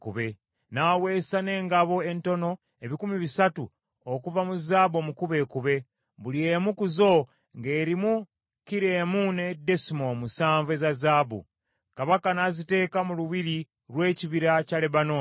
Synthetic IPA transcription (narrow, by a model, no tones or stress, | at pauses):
kuβe | nawe̞ːsane̞ːŋɡaβo̞e̞nto̞no̞ | e̞βikumiβisatu | okuvamuzaːbomukuβe̞kuβe̞ | βuliemukuzo̞ | ŋɡe̞ːɾimu | kiɾe̞ːmune̞desimomusaːɱvezazaːbṵ | kaβakanazite̞ːkamuluβiɾi | ɾwe̞ːciβiɾacale̞βano